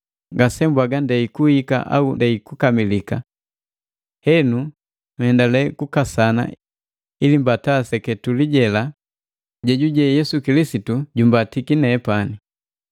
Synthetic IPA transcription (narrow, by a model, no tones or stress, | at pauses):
ɡasɛmbwaɡandɛikuhika̰ʔa̰undɛikukamilika | hɛnu | mhɛndalɛkukasana̰ | ilimbatasɛkɛtuliɟɛla | ɟɛɟuɟɛjɛsukilisituɟumbatikinɛːpani